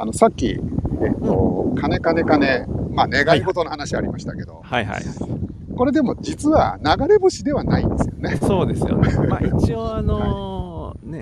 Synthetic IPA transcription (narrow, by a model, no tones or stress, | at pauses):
a̰no̞sakʲːḭet̪ːo̰kʰane̞kane̞kane̞maːne̞ɡaiɡo̞t̪o̞nohanaɕiaɾʲimaɕi̥t̪ake̞d̪o̞̰hajɦa̰j | ko̞ɾe̞d̪e̞mo̞d͡ʑit͡sɨβa̰naɡaɾe̞boɕid̪e̞βana̰ḭ̃nd̪e̞sɨ̥jone̞soːd̪esɨjo̰it͡ɕioanoa | ne